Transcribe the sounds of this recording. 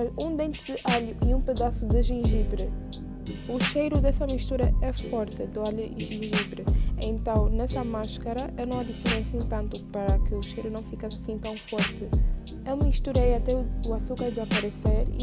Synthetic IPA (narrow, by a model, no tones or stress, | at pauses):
ɐũd̪ẽnt̪ɨd̪ɨʔaʎuʔiũpɨðasud̪ɨʒĩʒibɾɨ | uʃejɾud̪ɛsɐmiʃt̪uɾɐɛfɔɾt̪ɨd̪ɨaʎuʒĩʒibɾɨḛ̃nt̪ɐ̃w̃nɛsɐmaʃkɐɾɐewnɐ̃w̃ɐd̪isjonejasĩt̪ɐ̃nt̪upɐɾɐkɨuʃejɾunɐ̃w̃fikasḁsĩt̪ɐ̃w̃fɔɾt̪ɨ | ewmiʃt̪uɾejat̪ɛuasukajd̪ɨzɐpɐɾeseɾḭ